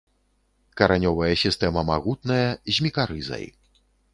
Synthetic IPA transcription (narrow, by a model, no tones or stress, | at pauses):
kɐɾanʲɔvɐjɐsʲist̪ɛmɐmaɣut̪nɐjɐzʲmʲikaɾɨzɐ̰j